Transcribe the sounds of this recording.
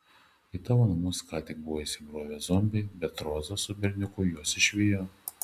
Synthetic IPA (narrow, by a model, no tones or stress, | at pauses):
ɪt̪ɑːʋonɐmʊskɑːt̪ʲɪk̚bʊʋoːisʲɪbɾoːʋʲɛzɔmʲbʲɛɪbʲɛt̪ɾoːzɐsʊbʲɛɾʲnʲʊkʊjuɔsɪʃʲʋʲiːjoː